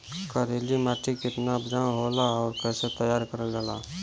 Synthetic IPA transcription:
kəɾelimaːʈikɪt̪nabd͡ʒaɦoːlaɔːɾkɛːset̪əjaːɾkəɾəld͡ʒala

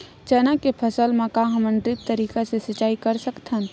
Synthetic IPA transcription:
t͡ʃəːnakepʰɐsəlmãkaɦɐmə̃nɖɾɪt̚t̪əɾiːkasesɐt͡ʃːaːikɐɾsɐkt̪ə̃n

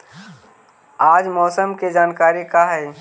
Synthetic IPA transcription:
aːd͡ʒmɔːsəmked͡ʒaːnkaːɾikaɦɛː

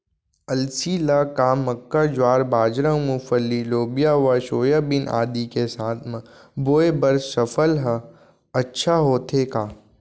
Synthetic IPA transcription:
ɐlsiːlakamɐkːad͡ʒwaːɾbaːd͡ʒɾə̃mufəlːiloːbijaʋɐʃoːjəbɪnʔa̰ːd̪ikesaːt̪ʰmə̃boːebɐɾsːɐfəlɦə | ɐtːʃʰaɦoːt̪ʰekaː

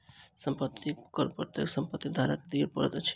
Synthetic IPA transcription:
səmpət̪ʰːikəɾpət̪eksəmpət̪ːid̪ʱaɾəkd̪ijepəɾət̪t͡ʃʰi̥

